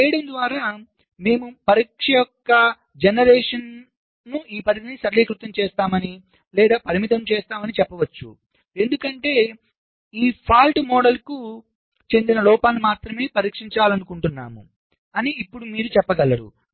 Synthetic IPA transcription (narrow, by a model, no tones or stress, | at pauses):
ɛːjiɽɐmd̪ʋaːɾaː | me̞ːmupɐɾiːkʂɐjɔkːɐ | d͡ʒenɐɾɛːʂɐn | nuʔiːpɐɾinisɐɾliːkɾut̪ːɐmt͡ʃɛːst̪aːmɐni | lɛːd̪aːpɐɾimit̪ɐmt͡ʃɛːst̪aːmɐnit͡ʃɛpːɐʋɐt͡ʃːṵ | e̞nd̪ukɐɳʈe̞ː | iːpʰaːlʈmɔːɽɐlku | t͡ʃe̞nd̪inɐlɔːpaːnimaːt̪ɾɐme̞ːpɐɾiːkʂiɲt͡ʃaːlɐnukuɳʈunːa̰ːmṵ | ɐniːpːuɽumiːɾut͡ʃɛpːɐɡɐlːɐɽṵ